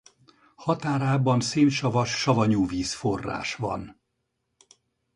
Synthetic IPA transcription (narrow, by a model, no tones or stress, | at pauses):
hɒt̪aːɾaːbɒnsiːnʃɒvɒʃːɒvɒɲuːviːsforːa̰ːʃvɒ̰n